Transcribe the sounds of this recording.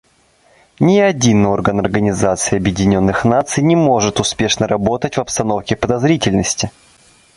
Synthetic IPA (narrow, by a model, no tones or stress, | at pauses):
nʲɪɐdʲino̞rɡənɐrɡənʲɪzat̪sɨɪɐbjɪdʲɪnʲo̞nːɨxnat̪sɨjnʲɪmo̞ʐɨt̪ʊspʲe̞ʂnəɾɐbo̞t̪ətʲvɐpst̪ɐno̞fkʲɪpəd̪ɐzɾʲitʲɪlʲnəsʲtʲɪ